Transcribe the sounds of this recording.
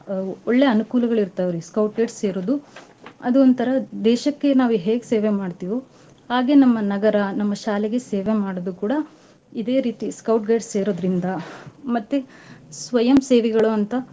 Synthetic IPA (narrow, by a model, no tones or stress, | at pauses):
ɔɭːeɐnukuːlɐɡɐɭiɾt̪ɐʋɾiskɐwʈ̚ɡeːʈsseːɾod̪u | ɐd̪uont̪ɐɾɐd̪ɛːʃɐkːe̞naːʋuɦeːɡseːʋe̞maːɖt̪iːʋu | haːɡe̞nɐmːɐnɐɡɐɾɐnɐmːɐʃaːleɡe̞seːʋemaːɽod̪ukuːɽɐ | id̪e̞ːɾiːt̪iskɐwʈ̚ɡeːʈsːeːɾoːd̪ɾind̪ɐmɐt̪ːesʋɐjɐmseːʋɛɡɐɭuɐnt̪ɐ